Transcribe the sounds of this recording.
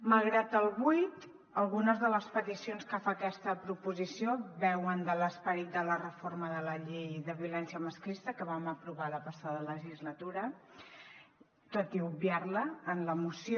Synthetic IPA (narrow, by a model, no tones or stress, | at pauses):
məlˠɣɾat̪əlˠβujt̪ | əlˠɣunəzðələspət̪isionskəfakɛst̪əpɾupuzisijoβɛwənd̪ələspəɾit̪̚d̪ələrəforməðələʎejðəβiulɛnsiəməsklist̪əkəβaməpɾuβaləpəsaðələʒizlət̪uɾə | t̪ot̪iubiarləːnləmusio